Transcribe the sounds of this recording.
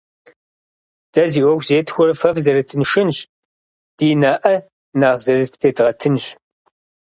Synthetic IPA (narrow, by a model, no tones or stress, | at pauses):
d̥ɐziːwɔɡʷzeːtxʷʊɾɐfɐfzɐɾɐtʰɨnʂɨnɕ | d̥iːnaːʔɐ | naːʁzɐrɨtʰeːtʁɐtʰɨnɕ